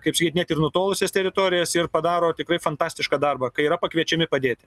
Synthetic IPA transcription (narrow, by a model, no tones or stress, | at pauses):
kɐɪpsʲkʲɛɪt̪ʲnʲeːt̪ʲɪrnʊt̪oːlˠʊsʲest̪ʲɛɾʲɪt̪oːɾʲɪjɛsɪrpɐd̪ɑːɾoːt̪ʲɪkɾɐɪfɐnt̪ɑːsʲt̪ʲɪʃkɐːd̪ɐrbɐkɐɪiːɾɐpɐkʋʲiɛt͡ʃʲɛmʲɪpɐd̪ʲeːtʲɪ